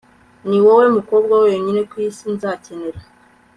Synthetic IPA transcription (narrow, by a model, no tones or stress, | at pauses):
niwowe̞muko̞bɡwawojoɲine̞kwiːsinzace̞ne̞ɾa